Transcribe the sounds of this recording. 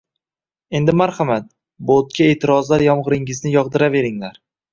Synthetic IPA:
e̞nd̪ɪmaɾχamat̪̚ | bot̪̚kʲʰae̞ːt̪ʰɪɾɒzlaɾjɒmʁɨɾɪŋɪznɪjɒʁd̪ɪɾave̞ɾɪŋlaɾ

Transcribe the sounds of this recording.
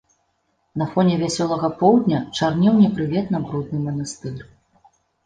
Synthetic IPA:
nɐfɔnʲɛvʲasʲɔlˠɐɣɐpɔwd̪ʲnʲɐt͡ʂarnʲiwnʲɛpɾɨvʲɛt̪nɐbɾud̪nɨmɐnɐst̪ɨr

